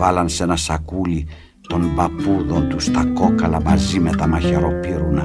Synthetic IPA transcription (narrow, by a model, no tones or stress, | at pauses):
valɐnsenɐsɐkuli | t̪o̞mbɐpuðo̞nt̪ust̪ɐko̞kɐlɐmɐzimet̪ɐmɐçeɾo̞piɾunɐ